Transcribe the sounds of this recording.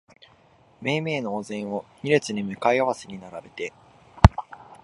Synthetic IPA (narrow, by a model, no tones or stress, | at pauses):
me̞ːme̞ːnoːzẽ̞ɰ̃o̞ɲʲiɾe̞t͡sɨɲ̟imɯ̟kaiaβaseɲ̟inaɾabe̞t̪e̞